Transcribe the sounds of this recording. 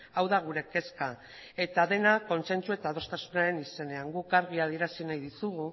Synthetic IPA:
awðaɣ̞uɾe̞ke̞ska | e̞t̪aðe̞nako̞nse̞nt͡sue̞t̪aðo̞st̪asunaɾe̞nise̞ne̞aŋɡukaɾɣiað̞ie̞ɾasinajðisuɣu

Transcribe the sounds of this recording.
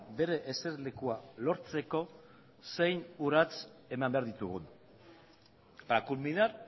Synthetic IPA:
be̞ɾe̞ʔese̞ɾle̞kualo̞ɾt͡se̞ko̞ | se̞jnuɾat͡se̞mambe̞aɾðit̪uɣun | pɾakulmiðaɾ

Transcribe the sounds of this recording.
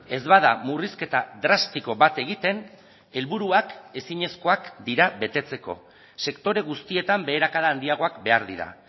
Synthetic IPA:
e̞zβaða̰muriske̞t̪ad̪ɾast̪iko̞βat̪e̞ɣit̪e̞n | e̞lβuɾuake̞siɲe̞sko̞akd̪iɾaβe̞t̪e̞t͡se̞ko̞̰ | se̞kt̪o̞ɾe̞ɣ̞ust̪ie̞t̪ambe̞ːɾakaðaːnd̪iaɣ̞o̞akbe̞aɾðiɾa̰

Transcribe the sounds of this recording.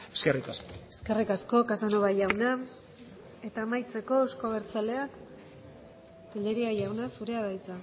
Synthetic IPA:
eskerikaskoe̞ske̞rikasko̞kasanoβajawna | e̞t̪aːmajt͡se̞ko̞eskoβ̞e̞ɾt͡sale̞ak | t̪iʎeɾiajawnasuɾe̞aðajt͡sa

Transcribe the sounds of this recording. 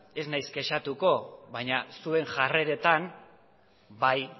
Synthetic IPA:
e̞znajsɡe̞ʃat̪uko̞βaɲasue̞ŋʝare̞ɾe̞t̪an | baj

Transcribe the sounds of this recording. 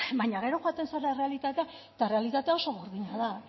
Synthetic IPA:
bajɲaɣ̞e̞ɾo̞xwat̪e̞nsaɾaere̞alit̪at̪e̞a | t̪arealit̪at̪eao̞so̞ɣoɾðiɲaða

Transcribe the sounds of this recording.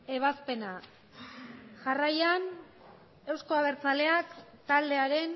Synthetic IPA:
e̞β̞aspe̞na | ʝarajan | e̞wsko̞aβ̞e̞ɾt͡sale̞akt̪ald̪e̞aɾe̞n

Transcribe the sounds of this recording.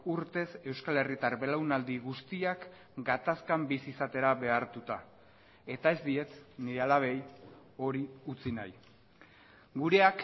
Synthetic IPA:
uɾt̪e̞se̞wskale̞rit̪aɾβe̞lawnald̪iɣust̪iak | ɡat̪askambisiːsat̪e̞ɾaβe̞aɾt̪ut̪a | e̞t̪ae̞zd̪ie̞t͡sniɾealaβ̞e̞j | o̞ɾiut͡sinaj | ɡuɾe̞ak

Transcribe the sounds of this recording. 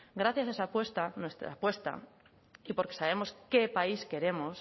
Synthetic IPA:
ɡɾaθjasaesapwe̞st̪anwe̞st̪ɾa̰pwe̞st̪a̰ | ipo̞ɾke̞̥saβ̞e̞mo̞ske̞paiske̞ɾe̞mo̞s

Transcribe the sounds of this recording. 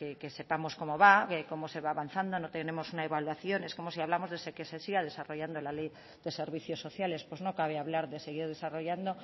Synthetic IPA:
kekese̞pamo̞sko̞mo̞βaekomose̞βaːβanθand̪o̞not̪ene̞mo̞sunaeβalwaθjo̞ne̞skomosiaβlamo̞zðesekesesiɣað̞e̞saro̞ʝand̪olalej | ðe̞se̞ɾβ̞iθjo̞sːo̞θjale̞spwezno̞kaβeaβlaɾðe̞se̞ɣ̞iɾðe̞saro̞ʝand̪o̞

